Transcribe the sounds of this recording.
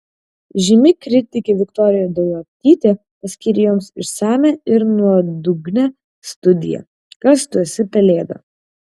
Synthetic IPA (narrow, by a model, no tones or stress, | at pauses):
ʒʲɪmʲɪkɾʲɪt̪ʲɪkʲɪʋʲɪkt̪ɔːɾʲɪjɛd̪ɐjɐp̚ʲt̪ʲiːt̪ʲeː | pɐsʲkʲiːɾʲɪjoːmsɪʃsæːmʲɛɪɾnuɔd̪ʊɡnʲɛ | st̪ʊd̪ʲɪ̰jɛ̰ | kɐst̪uɔsʲɪpʲɛlʲeːd̪ɐ̰